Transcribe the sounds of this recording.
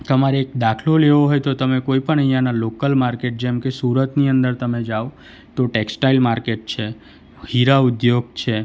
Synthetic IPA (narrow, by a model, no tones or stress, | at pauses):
t̪əmaɾekd̪akʰloleʋoɦojt̪ot̪əmekoipəɳəɦjãnalokəlmaɾkeʈ̚d͡ʒemkesuɾət̪niənd̪əɾt̪əmed͡ʒaʋo | t̪oʈeksʈailmaɾkeʈ̚t͡ʃʰe | hiɾaʊd̪joɡt͡ʃʰe